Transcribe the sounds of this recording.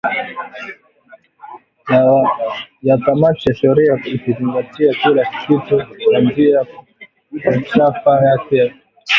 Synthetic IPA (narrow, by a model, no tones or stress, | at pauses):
jatamatijaʃɛɾiaikiziŋɡatiakilakitɔkandia | at͡ʃafajakɛ